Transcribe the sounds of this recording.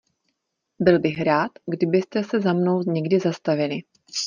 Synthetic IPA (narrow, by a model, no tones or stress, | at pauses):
bɪlbɪxɾaːt̪ɡdɪbɪst̪ɛsɛzamno̞wɲɛɡdɪzast̪avɪlɪ